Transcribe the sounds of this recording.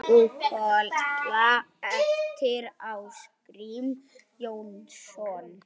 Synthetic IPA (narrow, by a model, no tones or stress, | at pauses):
ukʰɔltlaɛft̪ʰɪɾawskɾim | jownsɔn